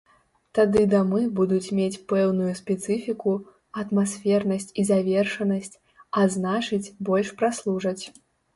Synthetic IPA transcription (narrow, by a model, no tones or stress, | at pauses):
t̪ad̪ɨd̪amɨbud̪ut͡sʲmʲet͡sʲpɛwnujuspʲɛt̪sɨfʲiku | ɐt̪masfʲɛrnɐsʲt͡sʲizavʲɛrʂɐnɐsʲt͡sʲ | aznat͡ʂɨt͡sʲbɔlʲʂpɾaslˠuʐɐt͡sʲ